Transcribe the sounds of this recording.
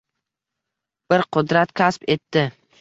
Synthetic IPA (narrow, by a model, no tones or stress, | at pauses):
b̥ɪɾqʰʊd̪ɾat̪kʲʰaspe̞t̪ːɪ